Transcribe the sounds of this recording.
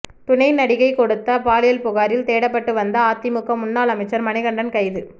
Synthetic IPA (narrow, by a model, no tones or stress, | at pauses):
t̪ʊnɐɪnɐɽɪɣɐɪkɔɽɯt̪ːɐpaːlɪjɐlpʊɣaːɾɪlt̪eːɽɐpːɐʈːɯʋɐnd̪ɐaːt̪ːɪmʊkːɐmːʊnːaːlɐmɐɪt͡ʃːɐɾmɐnɪɣɐɳɖɐnkɐɪðɯ